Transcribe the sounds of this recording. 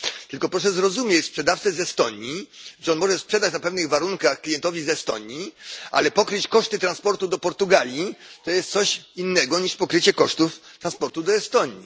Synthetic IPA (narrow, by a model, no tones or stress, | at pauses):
t̪ɘlkɔpɾɔʂ̬ɛzɾɔzumʲjet͡ɕspʂɛd̪aft̪sɛzɛst̪ɔɲiʐɛɔnmɔʐɛspʂɛd̪at͡ɕnapɛvnɘɣvaɾuŋkaxklʲijɛnt̪ɔvʲizɛst̪ɔ̰ɲiʔa̰lɛpɔkɾɘt͡ɕkɔʂt̪ɘt̪ɾanspɔɾt̪ud̪ɔpɔɾt̪uɡalʲjit̪ɔjɛst̪sɔɕinːɛɡɔɲiʂpɔkɾɘt͡ɕɛkɔʂt̪uft̪ɾanspɔɾt̪ud̪ɔɛst̪ɔɲḭ